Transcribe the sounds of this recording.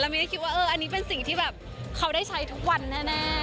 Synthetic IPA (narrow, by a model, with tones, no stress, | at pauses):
lːwmi˦˥˩kʰi˦˥t̪waː˥˩ʔɤː˧ʔa˧nːiː˦˥p̬e˧nsi˨˩ŋt̪ʰiː˥˩bɛː˨˩p̚ | kʰa˦˥wda˥˩jt͡ɕʰa˦˥jt̪ʰu˦˥k̚wa˧nːaː˥˩na˦˥